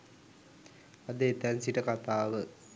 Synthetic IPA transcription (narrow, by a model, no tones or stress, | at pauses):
ad̪əet̪ænsiʈəkat̪aːʋə